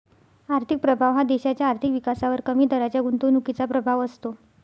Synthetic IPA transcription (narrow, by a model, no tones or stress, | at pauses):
aɾt̪ʰik̚pɾəbʱaʋɦad̪eɕat͡ɕjaːɾt̪ʰikʋikasaʋəɾkəmiːd̪əɾat͡ɕjaɡunt̪uːnukit͡sapɾəbʱaʋəst̪o